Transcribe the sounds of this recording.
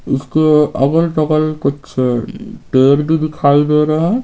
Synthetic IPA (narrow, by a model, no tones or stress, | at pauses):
ʊskoɐ̰bəlʈɐbəlkʊt͡ʃʰ | ʈeːɾbid̪ɪkʰaːid̪eɾɐɦɛ